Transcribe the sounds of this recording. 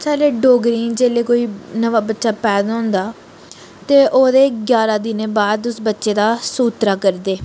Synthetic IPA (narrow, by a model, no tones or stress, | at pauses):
t͡ʃɛːleːɖoːɡɾĩːd͡ʒeːleːkoːiːnəʋaːbətːʃaːpɛːd̪ɔ̃nd̪aː | t̪eːʔoːd̪eːɡjaːɾaːd̪ɪneːbaːd̪ʊsbətːʃeːd̪aːsuːt̪ɾaːkəɾd̪eː